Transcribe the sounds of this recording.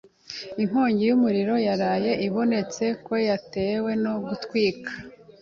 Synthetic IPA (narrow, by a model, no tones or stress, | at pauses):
iŋ̥oːɲɟijumuɾiɾo̞jaɾaːje̞ʔiβo̞ne̞t͡se̞ko̞jate̞ːwe̞no̞ɡutkwiːkḁ